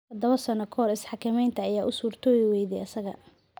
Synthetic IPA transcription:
tɐd̪ɐβɐsɐnɔkʰɔːɾɪsħɑkʰɐmɛjnt̪ʰɐːjaːʔʊsuːrt̪ʰɔːwɪwɛjðɛʔɐsɐɣɐ̰

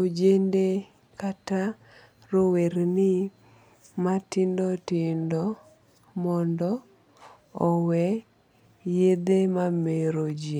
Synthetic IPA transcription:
od͡ʒende | kata | ɾoweɾnɪ | matɪndɔtɪndɔ | mɔndɔ | ɔwɛ | jed̪emameɾod͡ʒe

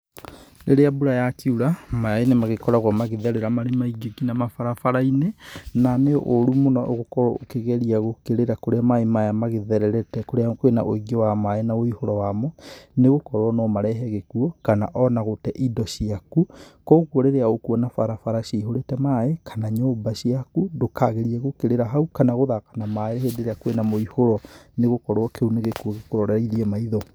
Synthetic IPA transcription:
neɾeabuɾajakiuɾamajainemaɣekɔɾaɣwɔmaɣeðɛɾeɾamaɾemaiɡokinamafaɾafaɾainenanḛʔoɾumonɔʔoɣokɔɾɔokeɣɛɾiaɣokeɾeɾakoɾeamaemajamaɣeðɛɾɛɾɛtɛkoɾeakwena̰ʔoiɣɔwamaenaoihoɾɔwamɔneɣokɔɾwɔnɔmaɾɛɦɛɣekuɔkana̰ʔɔnaɣotɛʔidɔʃiakukɔɣwɔɾeɾeaokuɔnafaɾafaɾaʃiiɦoɾetɛmaekʰanaɲobaʃiakudokaɣeɾiɛɣokeɾeɾaɦaukanaɣoðakḁnamaeɾehedeɾeakwenamoihoɾɔneɣokɔɾwɔkeuneɣekuɔɣekoɾɔɾɛɾiðiɛmaiðɔ

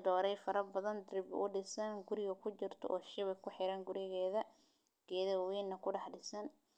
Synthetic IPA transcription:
d̪ɔːɾɛjfɐɾɐbɐðɐnd̪rɪb̰ʔʊɖɪsɐnɡʊɾɪɣɐkʰʊt͡ʃɪrt̪ʰɔ̰ʔɔːʃɪβɛkʰʊħɪɾɐːŋɡʊɾɪɣɛːðɐ | ɡ̥ɛːðɐwɛːnːɐkʰʊɖɑħɖɪsɐn

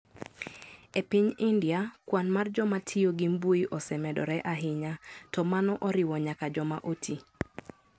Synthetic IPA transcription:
epiɲɪndjakwanmard͡ʒɔmatʰɪoɡimbuiʔɔsɛmɛdɔ̰ɾɛʔaɦɪɲatɔmanɔʔɔɾɪwɔɲakad͡ʒɔma̰ʔotʰi

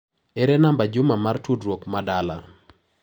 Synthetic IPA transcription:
ɛɾɛnambad͡ʒʊmamartudɾwokmadala

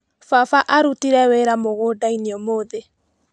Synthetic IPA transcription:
fafaʔaɾutiɾɛweɾamoɣodainiɔmoːðe

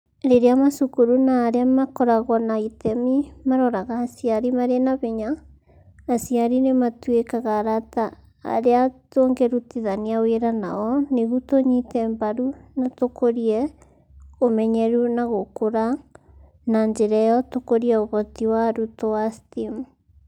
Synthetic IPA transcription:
ɾeɾeamasukuɾunaːɾeamakɔɾaɣɔnaitɛmimaɾɔɾaɣaːsiaɾimaɾenaβeɲaː | siaɾinematwekaɣaɾata̰ː | ɾeatoːŋɡɛɾutiðaniaweɾanaɔneɣutoɲitɛmbaɾunatokoɾiɛ | omɛɲɛɾunaɣokoɾa | naɲd͡ʒɛɾɛjɔtokoɾiɛoβɔtiwaɾutoastim

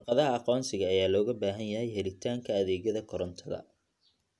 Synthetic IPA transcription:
qɑðɐɦɐɑqɔːnsɪɣɐːjaːlɔːɣɐbaːɦɐnjɐɦɛjɦɛɾɪt̪ʰaːŋkʰɐɐðɛːɣjɐðɐkʰɔɾɔnt̪ʰɐðɐ̰

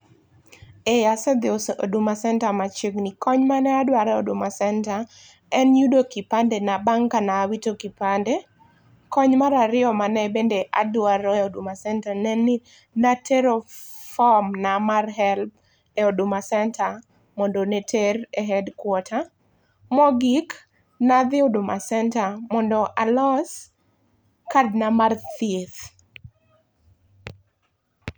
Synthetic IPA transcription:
ejasɛd̪ɪoodumasɛntamat͡ʃeɡnikɔɲmanɛadwaɾɛodʊmasɛnta | ɛnjudokipandɛnabaŋkanaːwitokipande | kɔɲmaɾaɾɪɔmanɛbendeʔa̰dwaɾɔɛodumasɛntanɛni | natʰeɾo | fɔmnamarɦɛlp | eodumasɛntʰa | mɔndonetʰereɦɛdkwɔtʰa | mɔɡik | naðɪodumasɛntamɔndɔʔalɔs | kad̚namarteθ

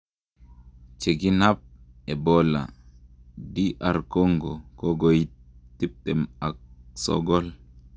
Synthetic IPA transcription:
t͡ʃeɡinap̚ | ɛbɔla̰ | diʔaɾkoŋɡɔkɔɡoj | tip̚tɛmak̚sɔ̰ɡɔl

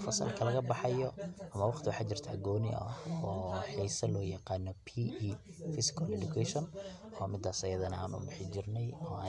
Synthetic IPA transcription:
fɐsɐ̰lkʰɐlɐɣɐbɑħɑjɔʔɐmɐwɑqt̪ʰɪwɑħaːt͡ʃɪrt̪ʰa̰ːɡɔːnɪ̰ʔɐ̰ɔːħiːsɐlɔːjɐqɑːnːɔpʰiʔ | fɪsɪ̥kʰɐlɛdʊkʰɛʃɔn | ɔːmɪd̪ːaːsɐjɐðɐnɐa̰ːnʊ̰bɪħɪt͡ʃɪrnɛjɔːaː

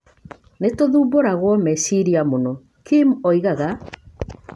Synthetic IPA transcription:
netoðuːboɾaɣwɔmɛsiɾiamonɔ | kimɔiɣaɣa

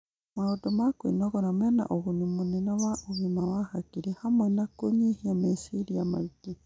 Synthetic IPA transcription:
maodɔmakwenɔɣɔɾamɛna̰ʔoɣoɲumonɛnɔwaʔoɣimawahakiɾehamwɛnakoɲiheamesiɾijama̰ike

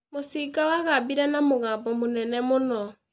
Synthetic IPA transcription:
mosikawaɣabiɾɛnamoɣaːbɔmonɛnɛmonɔ

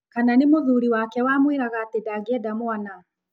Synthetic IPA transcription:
kananemoðuɾiwakɛwamwiɾaɣatedaɡeɛdamwana

